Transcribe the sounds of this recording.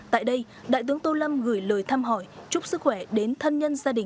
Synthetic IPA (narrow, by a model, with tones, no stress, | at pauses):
t̪a̰ː˧˨jɗə˧j | ɗa̰ː˧˨jt̪ɨ˨˦əŋt̪o˧lə˧mɣɨ˧˩əjləː˨˩jt̪ʰaː˧mɦɔ˧˩jt͡ɕʊ˦˥k͡p̚sɨ˦˥k̚xwɛ˧˩ɗe˨˦nt̪ʰə˧nɲə˧nzaː˧ɗï˨˩ŋ